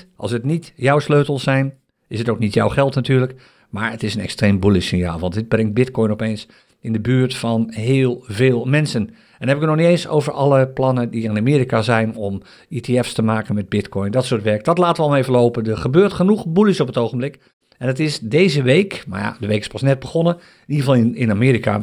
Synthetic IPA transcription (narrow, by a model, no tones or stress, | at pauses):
ʔɑ̰lˠsətnitjɔwsløɥtəl̩ˠsɛjn | ɪsətowk̚nitjɔwχɛlˠtnatyːɹlək | maːɹətɪsənɛ̰kstreːmbulisɪnja̰ːlˠʋɑntdɪd̚brɪŋt̚bɪtkɔjnɔpeːns | ɪndəbyːɹtfɑnɦɪːlˠveːlˠmɛnsən | ɛnhɛbəɪkətnɔxnitejnso̰wvəɹɑlˠəplɑnədiɪnamiːɾikazɛjnɔm | iteɛfstəmaːkənmɛd̚bɪtkʰɔjndɔtsoːtʋɛɹkədɔtlaːtəʋəɔlˠmejvəlowpəndəχəbøːɹtχənuχbulisɔpətowχənmblɪk | ɛnətɪsdeːzəʋejkma̰ɹja̰dəʋejkɪ̥spɑsnɛt̚bəχɔnə | niəvɑlˠɪnamiːɾika̰